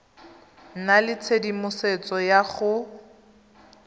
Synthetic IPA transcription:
nnalɪt͡sʰedimʊset͡sɔjaχʊ

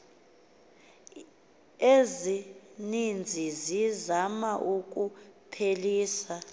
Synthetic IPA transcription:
ezinind͡zʱizizamaʔuk̬ʼupʰeliːsa

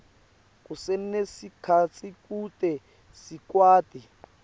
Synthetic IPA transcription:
kusen̩nesikʰat͡sʰʼikutʼɛ | sikwaːtʼi

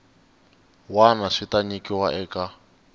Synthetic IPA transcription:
wanaʂitaɲikiwaʔɛːka

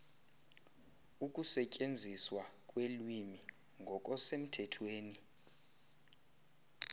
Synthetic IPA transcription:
uk̬ʼusɛcʼend͡zʱiswakʼwelwimi | ŋɡʱɔk̬ʼɔsem̩tʰɛtʰweːni

